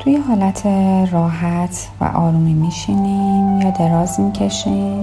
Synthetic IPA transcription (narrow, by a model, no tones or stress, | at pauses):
t̪ʰujeɦɒːlæt̪ʰerɒːɦæt̪ʰ | væ̰ʔɒ̰ːɾuːmiːmiːʃiːnimjɒːd̪e̞ɾɒːzmicʰe̞ʃim